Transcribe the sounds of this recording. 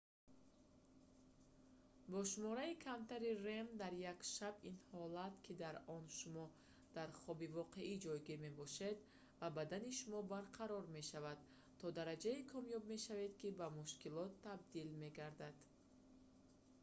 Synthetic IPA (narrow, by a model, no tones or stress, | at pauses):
bɔʃumɔɾaikʰamt̪ʰaɾire̞md̪aɾjakʃabinhɔlat̪kʰid̪aɾɔnʃumɔ | d̪̥aɾχɔbivɔqʰe̞ʔid͡ʒɔjɡiɾme̞bɔʃe̞d̪ | vabad̪aniʃumɔbaɾqʰaɾɔɾme̞ʃavad̪ | t̪ʰːɔd̪aɾad͡ʒaikʰɔmjɔbme̞ʃave̞d̪kibamuʃkilɔt̪ʰːab̚d̪ilme̞ɡaɾd̪ad̪̥